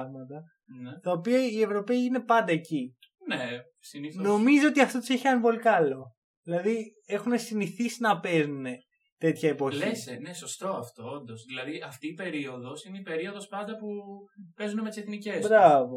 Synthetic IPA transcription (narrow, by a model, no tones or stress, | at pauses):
ɣmɐt̪ɐ | net̪ɐopiɐie̞vɾo̞pe̞iine̞pɐnd̪ɐeci | ne | siniθno̞mizoot̪iɐft̪ot̪u̥seçiɐnvo̞likɐlo̞ | ðilɐði | e̞xune̞siniθisinɐpe̞zune̞ | t̪e̞t̪çɐepo̞liseneso̞st̪o̞ɐft̪o̞ond̪o̞sðilɐðiɐft̪iːpe̞ɾio̞ðo̞sineipe̞ɾio̞ðo̞spɐnd̪ɐpupe̞zunemet̪iseθnice̞sbɾɐvo